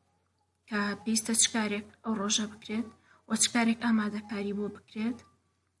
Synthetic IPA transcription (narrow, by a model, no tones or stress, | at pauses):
kɐbeist̪ɐt͡ʃɨ̥kaːɾekɐwroʒɐbɨkɾet̪ | wɐt͡ʃɨ̥kaːɾe̞kaːmaːd̪ɐkaːɾibobɨkɾet̪